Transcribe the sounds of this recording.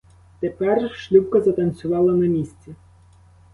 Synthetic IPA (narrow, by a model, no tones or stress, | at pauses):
t̪epɛrʃlʲuwkɐzɐt̪ɐnsʲʊʋɑlˠɐnɐmʲisʲt͡sʲi